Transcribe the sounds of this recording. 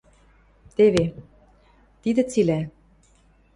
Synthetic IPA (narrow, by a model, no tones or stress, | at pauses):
t̪eβe | t̪id̪ɘ̆t͡silæ